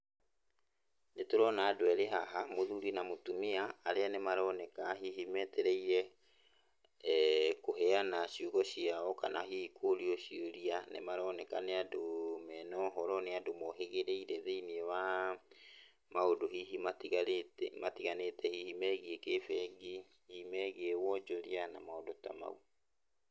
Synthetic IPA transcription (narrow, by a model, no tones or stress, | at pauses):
netoɾɔnaːdoɛɾeɦaɦamoðuɾinamotumiaːɾeanemaɾɔnɛkaɦiɦimɛteɾɛiɾɛ | koɦɛanaʃuːɣɔɕiaɔka̰naɦiːkʰoɾiɔʃioɾianḛmaɾɔnɛkaneadomɛnɔːɦɔɾɔneadomɔɦeɣeɾeiɾɛðeiniɛwa | maodohiɦimaiɣmatiɣanetɛhihimɛɣiekefɛɡi | himɛɣiewɔd͡ʒoɾianamaodota̰ma̰u